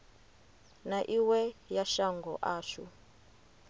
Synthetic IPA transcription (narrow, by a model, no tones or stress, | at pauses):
naʔiwɛjaʃaŋɡɔʔaːʃṵ